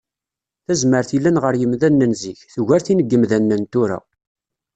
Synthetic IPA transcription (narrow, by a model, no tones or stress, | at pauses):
θæzməɾθilːænʁəɾjəmðænːənziçθʝæɾθinəɡːəmðænːənt̪uɾæ̰